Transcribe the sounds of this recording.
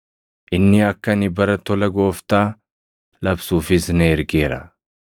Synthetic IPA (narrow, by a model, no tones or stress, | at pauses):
ʔɪnːɪɐkːɐnɪbɐɾɐt̪ɔlɐɡo̞ːft̪aː | lɐbsuːfɪsnɛːɾɡeːɾɐ̰